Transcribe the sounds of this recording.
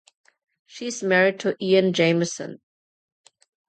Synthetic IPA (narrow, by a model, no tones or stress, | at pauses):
ʃiɪzmɛɹɪd̚tʰəʔiə̃nd͡ʒẽɪməsə̰̃n